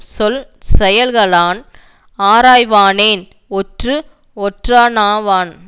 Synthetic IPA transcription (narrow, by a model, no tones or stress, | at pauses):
sɔl | sɛjɐlɣɐɭaːn | aːɾaːjʋaːneːn | ɔʈrɯ | ɔʈraːnaːʋaːn